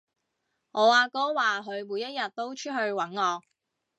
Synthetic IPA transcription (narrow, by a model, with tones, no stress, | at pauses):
ŋɔː˨˧waː˧kɔː˥waː˨ɦɵ˨˧ɥmuː˨˧jɐ˥t̚jɐ˨t̚t̪o˥wt͡ʃʰɵ˥ɦɵ˧ɥwɐ˨˥nŋɔː˨˧k̚